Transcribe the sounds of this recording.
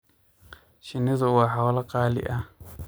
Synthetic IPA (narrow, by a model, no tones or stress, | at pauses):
ʃinizuwaɦawlakalḭʔa